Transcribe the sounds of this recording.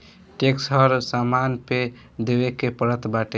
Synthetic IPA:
ʈeksɦəɾsamanpe | d̪ebekepəɾət̪baʈe

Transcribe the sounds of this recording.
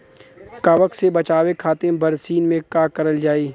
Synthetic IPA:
kɐʋəksebɐt͡ʃaːwekʰaːt̪ẽbɐɾsiːnmẽkaːkɐɾəld͡ʒaːiː

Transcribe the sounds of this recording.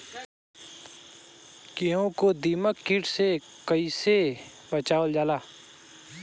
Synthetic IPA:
keõkod̪iːməkːɪʈsekəiːse | bət͡ʃaːld͡ʒaːlaː

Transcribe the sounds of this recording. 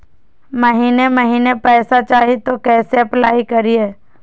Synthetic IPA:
mɐɦiːneməɦiːnepɛːsat͡ʃaːɦit̪okɛːseɐplaːikɐɾieː

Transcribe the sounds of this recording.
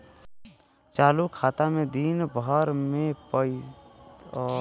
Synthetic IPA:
t͡ʃaːlukʰaːt̪amẽd̪iːnbəɾmẽpə

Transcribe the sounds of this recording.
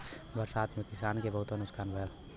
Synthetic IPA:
bəɾsaːt̪ʰmẽkɪsaːnkebəɦʊt̪onʊskʰaːnbʱəəl

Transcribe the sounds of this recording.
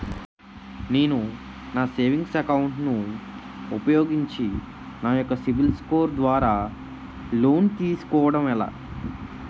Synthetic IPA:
ne̞ːnu | naːseːʋiŋɡsɐkɐwuɳʈnu | upɐjo̞ːɡiɲt͡ʃi | naːjɔkːɐsibilsko̞ːɾd̪ʋaːɾaː | lo̞ːnt̪iːsu̥kɔːʋɐɽɐmɛla̰ː

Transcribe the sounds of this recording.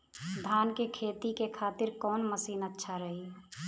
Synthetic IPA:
d̪ʱaːnkekʰeːt̪ikekʰaːt̪ɪɾkɔːnməsiːnətːʃʰaɾəɦi

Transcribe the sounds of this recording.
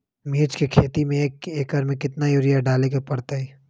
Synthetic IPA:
miːt͡ʃkekʰeːt̪imẽkeːkəɾmẽkɪt̪najʊɾɪjaɖaːlekapɐɽt̪aɦɛː

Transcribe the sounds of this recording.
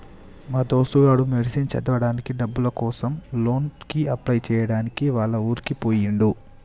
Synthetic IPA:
maːd̪o̞ːsuʋaːɽumeɽisint͡ʃɛ̰d̪ɐʋɐɽaːnikiɖɐbːulɐkɔːsɐmlo̞ːnkiɐplɐjt͡ʃɛːjɐɽaːnikiʋaːɭːɐuːɾikipoːjiɳɖu

